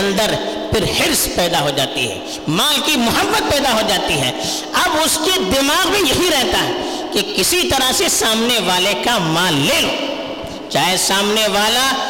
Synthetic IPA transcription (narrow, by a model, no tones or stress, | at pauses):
nd̪əɾpɪɾhɪɾspɛːd̪aɦod͡ʒaːt̪ḭɦɛ̰ː | mãːlkimʊɦəbːət̪̚pɛːd̪aɦod͡ʒaːt̪iɦɛ̰ː | ɐbʊsked̪ɪmaːɣmẽjɐɦiɾɛɦt̪aɦɛ | kekɪsit̪ɐɾəɦsesaːmneʋaːlekamãːlːeːlo̰ː | t͡ʃaːɦesaːmneʋaːla